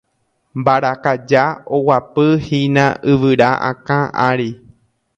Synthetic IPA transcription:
mbaɾakad͡ʒaowapɨhinãɨʋɨɾaʔã̰kãʔaɾi

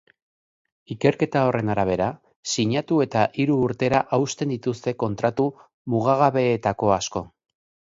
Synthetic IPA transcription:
ike̞ɾke̞t̪ao̞re̞naɾaβ̞e̞ɾa | siɲat̪ue̞t̪aʔiɾuːɾt̪e̞ɾaʔawst̪e̞nd̪it̪ust̪e̞ko̞nt̪ɾat̪u | muɣ̞aɣaβe̞ːt̪ako̞asko̞

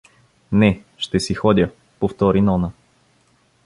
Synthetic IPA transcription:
nɛʃt̪ɛsixɔd̪ʲə | poft̪ɔɾinɔnə

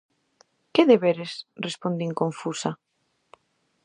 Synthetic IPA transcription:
keðeβeɾesrespond̪iŋkõɱfusa

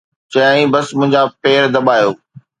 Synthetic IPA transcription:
t͡ɕɐjaːĩbɐsmʊ̃ɦɪ̃ɲd͡ʑapeːɾd̪ɐɓaːjoː

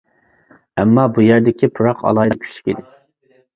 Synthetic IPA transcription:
ɛmːɑbujæɾd̪ɪkʲipʰuɾɑqɑ̰lˠɑːj̪kʲʰy̥ʃi̥kʲid̪ɪ

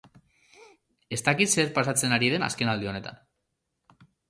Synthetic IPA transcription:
e̞st̪akit̪seɾpasat͡se̞naɾiðe̞na̰ske̞nald̪io̞ne̞t̪a̰n

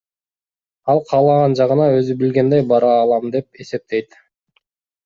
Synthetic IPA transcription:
ɑlˠqʰɑːlˠɑʁɑnd͡ʒɑʁɯnɑøzybɪlɡʲe̞nd̪ejbɑɾɑːlˠɑmd̪e̞p̚e̞se̞p̚t̪e̞jt̪

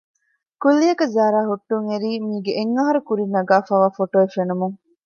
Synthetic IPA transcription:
kulːijɐkɐzaːɾaːɦuʈːuŋeɾiːmiːɡeʔeŋːɐɦɐɾukuɾinːɐɡaːfaːʋaːfoʈoːefenumuŋ

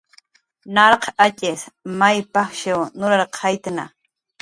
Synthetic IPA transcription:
nɑɾqʰat͡ʃʼɪsmajpaχʃewnʊɾaɾqʰajt̪na̰

